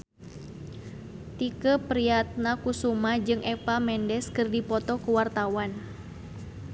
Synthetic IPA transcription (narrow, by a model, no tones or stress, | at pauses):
t̪ikəpɾiat̪̚nakusumad͡ʒɨŋʔɛpamɛndɛskɨrdipɔt̪ɔkuwart̪awan